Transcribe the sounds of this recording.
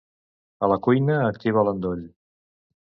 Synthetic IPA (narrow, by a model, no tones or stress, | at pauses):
ələkujnəːk̚t̪iβələnd̪ɔʎ